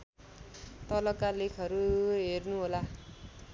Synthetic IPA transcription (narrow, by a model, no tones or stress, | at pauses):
t̪ʌlʌkalekʰʌɾuɦernuɦola